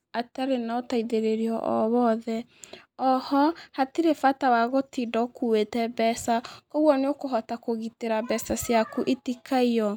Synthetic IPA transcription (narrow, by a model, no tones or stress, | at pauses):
ataɾenaɔtaiðeɾeɾiɔ̰ʔɔ̰βɔðɛ | ɔhɔhatiɾefatawaɣotidɔkuwetɛbɛsakoɣwɔneokoɦɔtakoɣiteɾabɛsasjakuʔetikʰaiɔ